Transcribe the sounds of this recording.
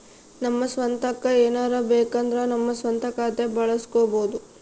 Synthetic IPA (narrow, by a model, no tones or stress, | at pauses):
nɐmːɐsʋɐnt̪ɐkːɐeːnaːɾɐbeːkɐnd̪ɾɐnɐmːɐsʋɐnt̪ɐkaːt̪e̞bɐɭɐsi̥koːboːd̪u